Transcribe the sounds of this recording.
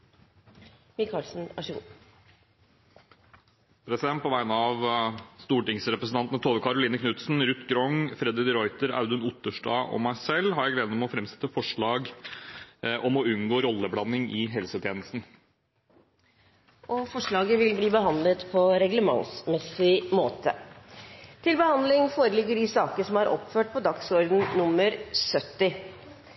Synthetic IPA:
mɪkʰɑːlsn̩ʔɑ̰ʂəɡṵː | pʰɾɛsɪd̪ɛnt̪pʰɔʋæɪnəɑʋst̪uːʈɪŋsɾɛpɾəsn̩ɑnt̪ənət̪ʰoːʋəkʰɑɾʊliːnəkʰnʉt̪sn̩ɾʉt̪ːɡɾɔŋfɾɛd̪ɪd̪ɾɔʏt̪əɾɑ̰ʉd̪ʉnʊt̪əʂʈɑ̰ːʔɔ̰mæɪsɛlːhɑɾjæɪɡleːd̪nmɔfɾɛmsɛ̥t̪ːəfɔʂɭɑːɡ | ʔɔmɔʉnɡoːɾɔlːəblɑnːɪŋɪɦɛlsət̪ʰjeːnəst̪n̩ | ʔɔfɔʂɭɑːɡəʋɪlbliːbəɦɑnd̪lət̪pʰɔɾɛɡləmɑ̰ŋsmɛsɪmoːt̪ʰə | t̪ʰɪlbəhɑnd̪lɪŋfoːɾəlɪɡːəɖɪsɑːkəəʂɔmɑɾʔɔ̰pføːʈ̚pʰɔd̪ɑksɔɾd̪n̩nʊmːəɾsœt̪ːɪ

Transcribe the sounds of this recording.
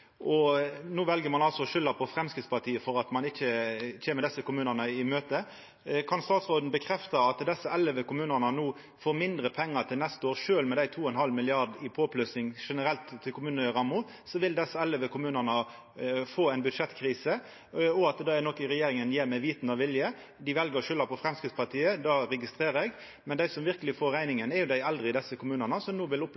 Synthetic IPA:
ʔɔnuːʋɛlɡəɾmɑnɑlsɔɔʂʏlːɑpʰɔfɾɛmskɾɪt̪spɑt̪ʰiːəfɔɾɑt̪mɑnɪçːəçeːməd̪ɛsːəkʊmʉːnənəɪmøːt̪ə | kʰɑnst̪ɑːt̪sʁoːd̪n̩bəkʰɾɛft̪ɑɑt̪d̪ɛsːəɛlːəʋəkʊmʉːnənənuː | foːɾmɪnd̪ɾəpʰɛŋːət̪ʰɪlnɛst̪əoːʁɾʂøːlmɛd̪æɪt̪ʰuːɛnhɑlmɪlɪɑʁd̪ɪpʰoːpʰlʉsnɪŋʂɛnəɾɛlt̪ʰːɪlkʰʊmʉːnəʁɑmːʊ | sɔʋɪld̪ɛsːəɛləʋəkʰʊmʉːnənə | foːæɪnbʉd̪ʂɛt̪kʰɾiːsə | ɔɑt̪d̪ɑɛnɔkəɾɛjeːɾɪŋənjeːmɛɪʋiːt̪n̩ɑʋɪljə | d̪ɪʋɛlɡəɾɔʃʏlːɑpʰɔfɾɛmskɪt̪spɑʁt̪ʰiːəd̪ɑːɾɛɡɪst̪ɾeːɾəɛɡ | mɛnd̪æɪsɔmʋɪɾkəlɪfoːɾːæɪnɪŋənɛɾjʊd̪æɪɛld̪ɾɪɪd̪ɛsːəkʊmʉːnənəsɔnuːʋɪlʊp

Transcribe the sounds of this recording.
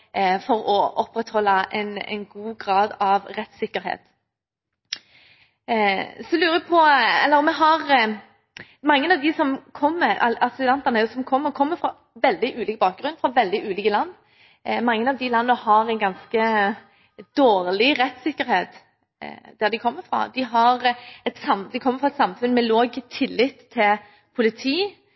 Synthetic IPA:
fɔɾɔʔɔpɾɛt̪hɔlːɑɛ̰nɛ̰nɡuːɡɾɑːd̪ɑʋɾɛt̪sɪkːəɾhḛːt̪ | sɔlʉːɾəpʰɔɛlːəɾmɛɦɑʁ | mɑŋːənɑʋd̪ɪsɔmkʰɔmːəɾɛɑsɪd̪ɛnt̪ɑnəæɾjʊsɔmkʰɔmːəɾkʰɔmːəfɾɑ | ʋɛld̪ɪʔʉːliːkəbɑːk̚ɡɾʉnfɾɑʋɛld̪ɪʔʉːliːkəlɑnː | mɑŋːənɑʋd̪ɪlɑnːəhɑɾænɡɑnskə | d̪̥oːʁlɪɾɛt̪sɪkːəɾheːt̪ | d̪̥æd̪ɪkʰɔmːəfɾɑ̰d̪ɪɦɑɾɛt̪sɑmd̪ɪkʰɔmːəɾfɾʁɑɛt̪sɑmfʉnmɛloːɡət̪ʰːɪlːɪt̪ʰːɪl | pʰʊlɪt̪ʰiː

